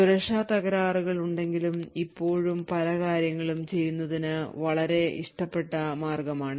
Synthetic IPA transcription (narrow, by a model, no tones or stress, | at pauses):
uɾɐʂaːt̪ɐɣɐɾaːruɣɐɭuɳɖe̞ŋɡilumipːo̞ːɻumpɐlɐkaːɾjɐŋːɐɭumt͡ɕe̞jːunːɐðinɨʋɐɭɐɾe̞ʔiʂʈɐpːe̞ʈːɐmaːrɡɐmaːɳɨ